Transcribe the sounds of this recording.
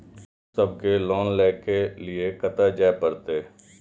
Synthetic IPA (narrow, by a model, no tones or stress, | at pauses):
səb̚kelɔːnlɛːkelɪekət̪ad͡ʒaːpəɾt̪eː